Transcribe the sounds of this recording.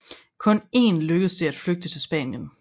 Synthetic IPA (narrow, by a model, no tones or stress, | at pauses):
kʰɔ̽ne̝̰ːnløɡ̥əð̩ˠsd̥e̝æd̥fløɡ̥̚d̥ət͡sʰe̝lsb̥ɛ̰ːnjən